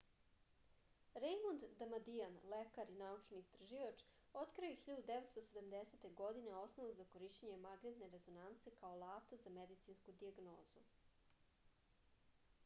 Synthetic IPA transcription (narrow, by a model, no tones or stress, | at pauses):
ɾejmond̪d̪amad̪ianlekaɾinaut͡ʃniːst̪ɾaʒiʋat͡ʃ | o̞t̪kɾiexiʎad̪ud̪eʋet̪st̪osed̪amd̪eset̪e̞ɡo̞d̪ine̞o̞snoʋuzako̞ɾiʃt͡ɕeɲe̞maɡnet̪ne̞ɾe̞zo̞nant̪se̞kaolˠaːft̪azamed̪it̪sinskud̪iaɡno̞ːzu